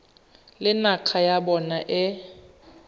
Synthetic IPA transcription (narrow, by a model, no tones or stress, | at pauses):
lɪnaq͡χʰajabɔnaʔɪ